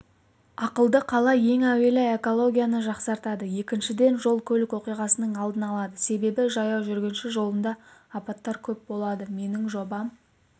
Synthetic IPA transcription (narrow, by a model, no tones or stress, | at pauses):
ɑqəlˠd̪əqʰɑlˠɑje̞ŋæwe̞lɪe̞ko̞lˠo̞ɡʲijanəʒɑqsɑɾt̪ɑd̪əje̞kʲɪnʃɪd̪e̞nʒo̞lˠkʲʰɵlɪkwo̞qijʁɑsənəɴɑlˠd̪ənɑlˠɑd̪əse̞be̞bɪʒɑjɑwʒʏɾɡʲe̞nʃɪʒo̞lˠənd̪ɑːpɑt̪ːɑɾkʲʰɵp̚bo̞lˠɑd̪əme̞nɪŋʒo̞bɑm